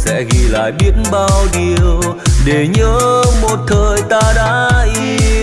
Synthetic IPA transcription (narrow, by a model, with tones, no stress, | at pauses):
sɛ̰˧˥ɣi˨˩la̰ː˧˨jɓi˦˥ətnɓaː˧wɗi˨˩˨əwɗe˧˩ɲəː˨˦mo˨˩t̚t̪ʰəː˨˩jt̪aː˧ɗa̰ː˧˥ʔi˧˦